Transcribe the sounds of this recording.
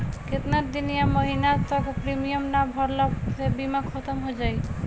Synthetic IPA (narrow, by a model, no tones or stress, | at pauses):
ket̪naɾd̪inijamoɦinat̪ɔkopɾimijɔmnabʱɔɾlat̪ebimakʰːɔt̪ɔmɦojd͡ʒaj